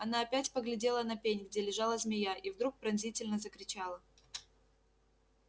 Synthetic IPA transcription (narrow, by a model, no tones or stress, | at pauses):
ɐnaɐpʲætʲpəɡlʲɪdʲe̞lˠənɐpʲenʲɡdʲelʲɪʐɑlˠəzʲmʲɪjaʔivd̪ɾuk̚pɾɐnzʲitʲɪlʲnəzəkɾʲɪt͡ɕalˠə